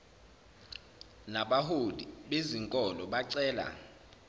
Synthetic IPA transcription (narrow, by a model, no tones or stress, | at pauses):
naɓaɦodiɓeziŋkʼɔlɔɓaǀɛːla̰